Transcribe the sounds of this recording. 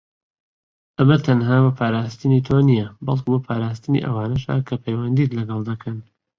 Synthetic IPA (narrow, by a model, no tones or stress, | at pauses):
ʔɐmɐt̪ʰɐnɦaːbɐpʰaːɾaːst̪ɨnit̪ʰoːnijɐbɐlˠkubɐpʰaːɾaːs̬t̪ɨnḭʔɐ̰waːnɐʃa̰ːkʰɐpʰɐjwɐnd̪it̪lɐɡɑlˠd̪ɐkʰɐn